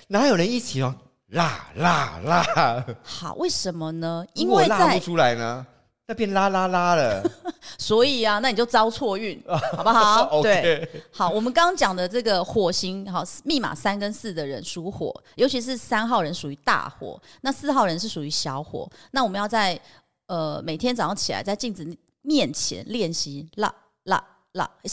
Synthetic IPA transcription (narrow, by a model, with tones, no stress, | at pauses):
na˧˦jo˨˩ʊɻə˧˦ni˥˩t͡ɕʰi˨˩wa˧˥˩ŋ | la̰˥˩la˥˩la˥˦xɑ̰˨˩ʊwʔe˥˩ɪʂə˧˦nmə˧nə˧˦i˥nwe˩˥˧ɪla˥t͡sa˥˧ɪu˧ʈ͡ʂʰu˥la˧˦ɪnə˧ | na˥˧˩pjɛ˥˩nla˦˥la˥la˦˥lə˨swɔ˧˦˥i˨˩a˨na˥˩ni˨˩t͡ɕo˥˩ʊt͡sɑ˥ʊt͡sʰwɔ˥˧y˥˩nxɑ˨˩ba˦xɑ˨˦ʊo˨twe˩ɪe˧xɑ˨˦ʊwɔ˨˩mə˦kɑ˥ŋt͡ɕjɑ˨˩ŋd̪ə˦ʈ͡ʂɤ˥˩ɡə˩xwɔ˨˩ɕi˧˥ŋxɑ˨˩mi˥˩ma̰˨˩sa˥nkə˦nsɹ̩˥˩d̪ə˩ɻə˧˦nʂu˧˥xwɔ̰˨˩˦jo˧˥ʊt͡ɕʰi˧˥ʂ̬ɻ̩˥˩sa˥nxɑ˥˩ʊɻə˧˦nʂu˨˩y˧˥˦t̪a̰˥˩xwɔ̰˨˩˦na˥˧sɹ̩˥˧xɑ˥˩ʊɻə˧˦nʂɻ̩˥˩ʂu˨˩y˧˥ɕjɑ˧˥ʊxwɔ̰˨˩˦na˥˩wɔ˨˩mə˦jʊt͡sa˥˩ɪ | ə˧me˨˩ɪt̪ʰjɛ˥nt͡sɑ˧˥ŋ˩t͡ɕʰi˨˩la̰˧˦ɪt͡sa˥˧ɪt͡ɕi˥˩ŋʈ͡ʂɻ̩˨˩ | mjɛ˥˩nt͡ɕʰjɛ̰˧˦nljɛ˥˩nɕi˧˥la̰˧˩ | la̰˥˧ | la̰˥˩˥